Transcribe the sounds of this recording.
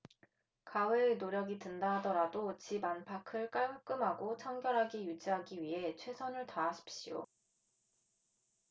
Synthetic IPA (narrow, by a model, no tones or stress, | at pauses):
kaweːnoɾjʌɡitɯndaɦadʌɾadot͡ɕibanpʰakʰɯɭk͈aɭkuk͈ɯmɦaɡot͡ɕʰʌŋɡjʌɾɦaɡijud͡ʑiɦaɡiɥiɦe̞t͡ɕʰwe̞sʰʌnɯɭtaːɕʰi̥p̚ɕ͈ijo̰